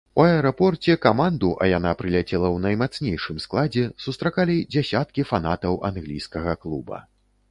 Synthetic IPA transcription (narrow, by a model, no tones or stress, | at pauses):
uɐɛɾɔpɔrt͡sʲɛkamand̪uʔɐ̰jan̪apɾɨlʲat͡sʲɛlˠɐwnɐjmat̪snʲejʂɨmsklˠad͡zʲɛsust̪ɾakalʲid͡zʲasʲat̪̚kʲifan̪at̪ɐwʔa̰nɣlʲijskɐɣɐklˠubɐ̰